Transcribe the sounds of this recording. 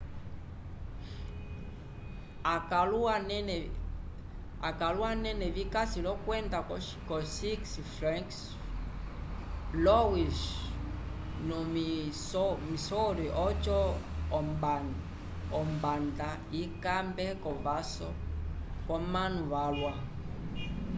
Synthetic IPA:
akaluan | akalwanɛnɛβikasilɔkwɛnda | kɔsiksifɾɛŋks | lɔwiʃ | nɔmisɔmisɔɾiʔɔt͡ʃɔ | mb | ɔmbanda | ikambɛkɔβasɔkɔmanuβalwa

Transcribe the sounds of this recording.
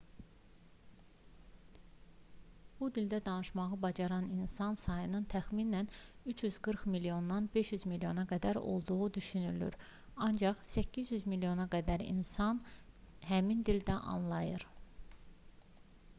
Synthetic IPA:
b̥ud̪ild̪æd̪ɑnɯʃmɑʁɯbɑd͡ʒɑɾɑninsɑnsɑjɯnɯnt̪ʰæxminænyt͡ʃʰjyzɡɯɾxmiljo̞nːɑnbe̞ʃjyzmiljo̞nɑɡæd̪æɾo̞̰lˠd̪uʁud̪yʃynyly̰ɾ | ɑnd͡ʒɑχsæcʰːizjyzmiljo̞nɑɡæd̪æɾḭnsɑn | hæmind̪ild̪æʔɑ̰nlˠɑjɯɾ

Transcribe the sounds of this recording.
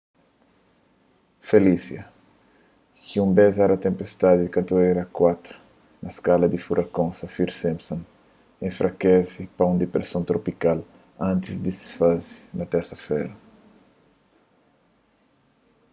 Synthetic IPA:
felisjɐ | kiũmbɛzaɾɐt̪ẽmpest̪ad̪ikɐt̪oeɾɐkwat̪ɾu̥ | nɐskalɐd̪ifuɾʔɐkõnsɐfiɾsɛ̃mpsõn | ẽfɾʔɐkɛzipaũnd̪ipɾesõnt̪ɾopikal | ãnt̪izd̪isi̥sfazi̥nɐt̪ɛɾsɐfɛ̰ɾɐ

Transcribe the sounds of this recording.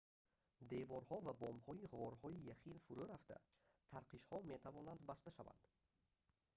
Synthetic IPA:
d̪e̞vɔɾhɔvabɔmhɔiʁɔɾhɔijaχilfuɾuɾaft̪ʰa̰t̪ʰaɾqʰiʃhɔme̞t̪ʰavɔnand̪bast̪aʃava̰nd̪̥

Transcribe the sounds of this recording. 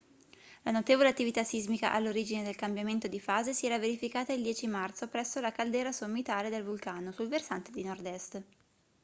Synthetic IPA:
lanot̪eːvoleat̪ːivit̪asizmika̰ʔalːoɾiːd͡ʒined̪elkambjament̪od̪ifaːzesiɛːɾaveɾifikaːt̪aild̪jɛːt͡ʃimart̪sopɾɛsːolakald̪ɛːɾasomːit̪aːled̪elvulkaːnosulversant̪ed̪inord̪ɛst̪

